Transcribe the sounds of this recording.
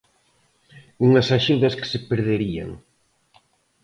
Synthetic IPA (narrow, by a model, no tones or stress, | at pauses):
uŋasaʃuðɐske̥sepeɾðeɾia̰ŋ